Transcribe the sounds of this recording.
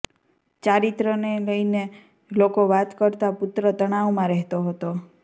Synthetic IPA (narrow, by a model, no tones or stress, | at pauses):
t͡ʃaɾit̪ɾəneləjne | lokoʋat̪kəɾt̪apʊt̪ɾət̪əɽ̃aʋmãɾɛɦt̪oɦət̪o